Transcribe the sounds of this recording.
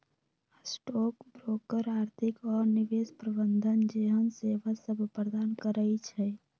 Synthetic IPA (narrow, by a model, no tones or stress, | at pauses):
sʈoːkbɾoːkəɾaːɾt̪ʰɪkɔːɾniʋeːspɾəbənd̪ʱənd͡ʒeːɦənseʋasəbʱpɾəd̪aːnkəɾəit͡ʃʰɛ